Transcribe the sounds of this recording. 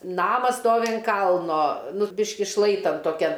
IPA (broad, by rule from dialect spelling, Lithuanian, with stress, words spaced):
ˈnɑːmɐs ˈstoːʋʲɪ ɐn ˈkɐlˠnoː nʊ ˈbʲɪʃʲkʲɪ ˈʃlˠɐɪtɐn toːˈkʲɛn